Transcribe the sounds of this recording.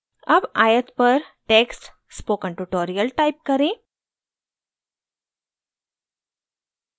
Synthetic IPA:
əbaːjət̪pəɾʈeːksʈ | spoːkəɳʈuʈoːɾijəlʈaip̚kəɾẽ

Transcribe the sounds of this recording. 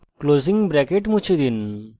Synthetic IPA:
kloziŋbɾɛkeʈmũt͡ʃʰid̪in

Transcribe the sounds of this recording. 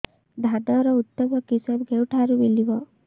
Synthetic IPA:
d̪ʱad̪ɔɾɔut̪ːɔbɔkisɔbɡʱewʈʰaɾubelibɔ

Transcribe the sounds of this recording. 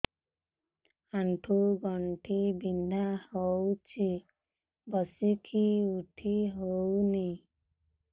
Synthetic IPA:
aɳʈʰuɡɔɳʈʰibind̪ʱahowt͡ʃʰi | bɔsikʰiuʈʰiɦowni

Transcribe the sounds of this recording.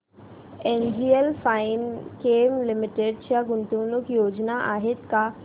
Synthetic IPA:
enɖʱiəlfainkemlimiʈeɖt͡ɕjaɡunt̪unukjod͡ʑnaʔaɦet̪ka

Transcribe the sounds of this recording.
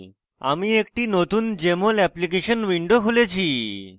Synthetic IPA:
a̰miek̚ʈiːnot̪ʰuːnd͡ʑemolɛplikeɕənʋiɳɖokʰolet͡ɕʰi

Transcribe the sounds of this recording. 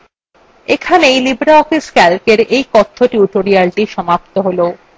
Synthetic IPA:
ekʰanejlibɾaɔfiskɛlkeɾejkɔt̪ʰːoʈjuʈoɾialʈiʃɔmapt̪oɦolo

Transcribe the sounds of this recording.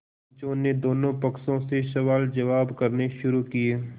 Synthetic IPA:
t͡ʃõːnːed̪oːnõpɐksõseʃɐʋaːld͡ʒɐʋaːbkɐɾneʃʊɾukieː

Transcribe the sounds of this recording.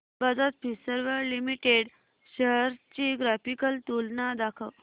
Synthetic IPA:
bad͡zat̪̚pisəɾʋəlimiʈeɽ | ɕəɦəɾt͡ɕiɡɾafikəlt̪ulnad̪akʰəʋ

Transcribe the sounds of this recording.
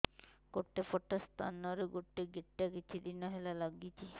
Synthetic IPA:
koɾt̪epɔʈːast̪ʰa̰nɔɾeɡoʈːeɡeʈːakit͡ʃʰud̪inɔɦelalaɡit͡ʃʰi

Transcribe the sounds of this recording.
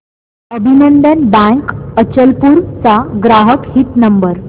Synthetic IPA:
əbʱinənd̪ənbæ̃ŋkət͡ɕəlpuːɾt͡saɡɾaɦəkhit̪nəmbəɾ

